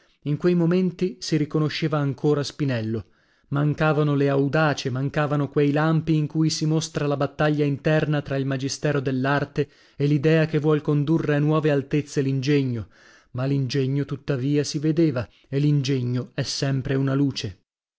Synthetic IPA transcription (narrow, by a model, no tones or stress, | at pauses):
iŋkwejmoment̪isiɾikonoʃːeːvaːŋkoːɾaspinɛlːo | maŋkaːvanoleawd̪aːt͡ʃemaŋkaːvanokwejlampiːŋkuːjsimost̪ɾalabat̪ːaʎːaint̪ɛrnat̪ɾailmad͡ʒist̪ɛːɾod̪elːart̪e | elid̪ɛːakevːwɔlkond̪urːeanwɔːvealt̪et̪sːelind͡ʒeɲːo | malind͡ʒɛɲːot̪ut̪ːaviːasived̪eːva | elind͡ʒeɲːoɛsːɛmpɾeunaluːt͡ʃe